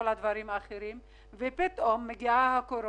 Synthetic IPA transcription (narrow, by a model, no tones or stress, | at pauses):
olad̪vaɾimaːχeɾim | vepit̪ʔomːeɡiahakoɾo